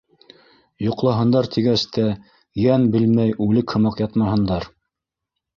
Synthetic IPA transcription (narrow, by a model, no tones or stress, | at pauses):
jŏqlˠɑɦɤ̆nd̪ɑɾt̪ʰiɡæst̪æ | jænbɘlmæjʉlɘkhɤ̆mɑqjɑt̪mɑɦɤ̆nd̪ɑɾ